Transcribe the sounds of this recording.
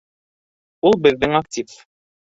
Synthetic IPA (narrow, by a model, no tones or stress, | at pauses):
ulˠbɘ̆ðːɘŋak̚tʲif